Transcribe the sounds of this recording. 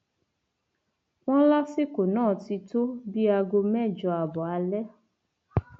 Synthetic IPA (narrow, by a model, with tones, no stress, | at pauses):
w̃ɔ̃˦la˦si˦ko˨nãː˦˨ti˧to˦bi˦a˧ɡo˧mɛ̃˦˨d͡ʒɔ˧a˨bɔ˨a˧lɛ˦